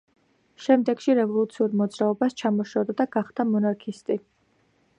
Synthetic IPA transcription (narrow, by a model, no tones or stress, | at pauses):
ʃɛmd̪ɛɡ̥ʃiɾɛvɔlˠut̪sʰiuɾmɔd̪zɾaɔbast͡ʃʰamɔʃɔd̪ad̪aɡ̥aχd̪̥amɔnaɾkʰist̪ʼi